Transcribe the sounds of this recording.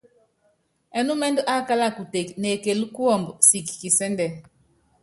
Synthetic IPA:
ɛ˨nu˦mɛ˦ndɔ˦ʔa˦ka˦la˦˨ku˨te˨kne˨ke˨lu˦ku˦ɔ˦˨mbsi˨kki˨sɛ˦ndɛ˨

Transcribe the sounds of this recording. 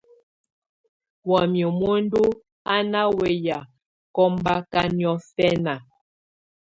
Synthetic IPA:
wa˨mjo˨mo˦n˦du˦ | a˦na˦we˨ja˨ | kɔ˦mba˦ka˦njɔ˦fɛ˦na˨

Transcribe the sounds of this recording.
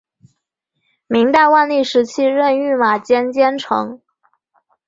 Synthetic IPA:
mi˧˥ŋt̪a˥˧ɪwa˥˧nli˥˩ʂɻ̩˧˥t͡ɕʰi˥ɻə˥˧ny˥˩ma˨˩t͡ɕjɛ˥nt͡ɕjɛ˥nʈ͡ʂʰɤ̰˧˥ŋ

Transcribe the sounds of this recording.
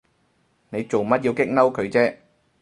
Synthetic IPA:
ne˨˧jt͡so˨˩wmɐ˥t̚ji˧wkɪ˥k̚nɐ˥wkʰɵ˨˧ɥt͡sɛː˥

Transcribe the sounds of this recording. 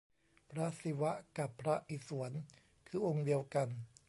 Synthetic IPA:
pʰɾa˦˥si˧˦wa˦˥ka˨˩pʰːɾa˦˥ʔi˨˩su˩˦ən | kʰɯː˧ʔo˧ŋdi˧əwka˧n

